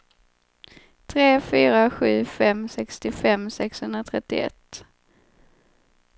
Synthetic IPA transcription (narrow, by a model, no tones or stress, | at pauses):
t̪ʰɾeːfyːɾaɧʉ̟̰ːfɛmsɛkst̪ɪfɛmːsɛkshɵnd̪ɾat̪ʰɾɛt̪ːɪ̰ɛ̰t̪ː